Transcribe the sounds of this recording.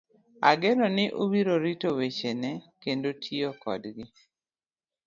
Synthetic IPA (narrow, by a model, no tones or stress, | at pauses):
aɡenɔnɪʔubiɾoɾitowet͡ʃenɛkendotʰiokɔ̰dɡɪ